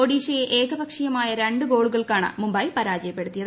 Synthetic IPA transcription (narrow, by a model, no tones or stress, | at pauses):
oɽiːɕɐjeʔeːɡɐbɐkʂijɐmaːjɐɾe̞ɳɖɨɡo̞ːɭuɣɐɭkaːɳɐ̰mumbɐːjpɐɾaːd͡ʑɐjɐpːe̞ɽut̪ːijɐð